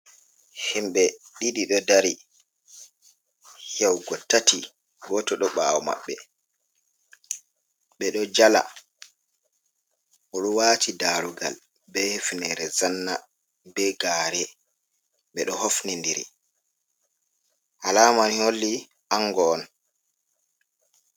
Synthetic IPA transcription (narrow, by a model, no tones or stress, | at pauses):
himɓɛɗiɗiɗɔdaɾi | hjɛwɡɔtːati | ɡɔtɔɗɔɓaːwɔma̰ɓːɛ | ɓɛɗɔd͡ʒala̰ | ʔɔɗɔwaːtidaːɾuɡa̰l | bɛhefnɛɾɛzanːa̰ | bɛɡaɾɛ | ɓɛɗɔhofnindiɾḭ | ʔalamaniholːi | aŋɡɔn